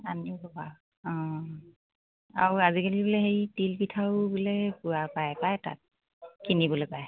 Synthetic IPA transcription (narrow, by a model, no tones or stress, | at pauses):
anibɔba | ɔ̃ | a̰ɹuazikalibɔlɛɦejtilpitʰawbulɛpuapajpajta̰t̚ | kinibɔlɔpaj